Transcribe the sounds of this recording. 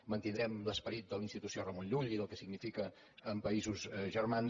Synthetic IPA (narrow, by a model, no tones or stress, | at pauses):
mənt̪ind̪ɾɛmləspəɾit̪̚d̪əlinst̪it̪usiorəmonʎuʎiðəlˠkəsiɡnifikəː | mpəizuzʒərman